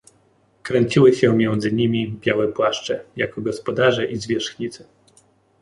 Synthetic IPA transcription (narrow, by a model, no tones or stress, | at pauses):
kɾɛɲt͡ɕiwɘɕɛmʲjɛnd̪zɘɲimʲibʲjawɛpwaʂt͡ʂɛja̰kɔɡɔspɔd̪aʐɛʔizvʲjɛʂxɲit̪sɛ